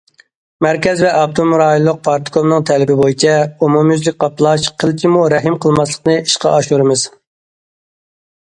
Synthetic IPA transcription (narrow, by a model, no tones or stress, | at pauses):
mæɾkʲɛzvɛʔɑpt̪ʰomuɾɑːjolˠːʊq̚pʰɑɾt̪kʰomnɨŋt̪ʰɛlɪbɪbojit͡ʃʰɛomumjyzlɪk̚ʲqɑplˠɑʃqʰəlt͡ʃʲʰimuɾɛɦɨmqʰəlˠmɑslˠə̥qnɨiʃqɑ̰ɑʃuɾɨmɨz̥